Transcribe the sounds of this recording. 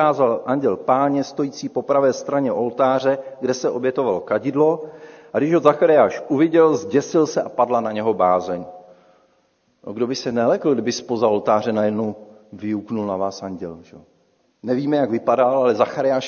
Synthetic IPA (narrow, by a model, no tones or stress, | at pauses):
aːzalʔaɲɟɛlpaːɲɛst̪o̞jiːt͡siːpo̞pɾavɛːst̪ɾaɲɛʔo̞lt̪aːr̝ɛɡdɛsɛʔo̞bjɛt̪o̞valokaɟɪdlo̞aɡdɪʃozaxaɾɪjaːʃʔuvɪɟɛlzɟɛsɪlsɛʔapadlanaɲɛɦo̞baːzɛɲ | no̰ɡdo̞bɪsɛnɛlɛkl̩ɡdɪbɪspo̞zaolt̪aːr̝ɛnajɛdnowvɪuknulnavaːsaɲɟɛ̰lʒ̥ɛo | nɛviːmɛjaɡvɪpadalalɛzaxaɾɪaːʃ